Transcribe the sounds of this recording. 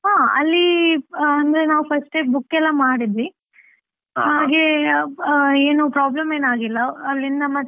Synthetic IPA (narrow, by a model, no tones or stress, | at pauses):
ɦãːɐ̰lːi | ɐnd̪ɐɾenaːʋupʰɐsʈebukːɛlːɐmaːɽid̪ʋi | ɦaːɡe̞ | eːnupɾaːblɐmeːnaːɡilːɐːlːind̪ɐmːɐ